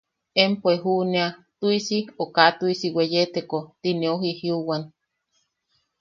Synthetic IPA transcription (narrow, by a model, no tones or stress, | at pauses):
empoeɦuneat̪uisiokat̪uisiwejet̪ekot̪ineoɦihiuwan